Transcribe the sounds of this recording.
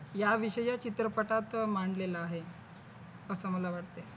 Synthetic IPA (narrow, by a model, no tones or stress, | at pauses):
jaʋiɕəjat͡ɕit̪ɾəpəʈat̪maɳɖlelaaɦe | əsəməlaʋaʈt̪e